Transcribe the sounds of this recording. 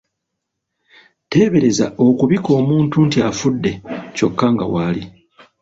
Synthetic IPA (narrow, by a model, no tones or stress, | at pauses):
te̞ːβe̞ɾe̞za̰o̞kuβiko̞ːmuːntuntiafudːe̞co̞kːaŋɡa̰waːli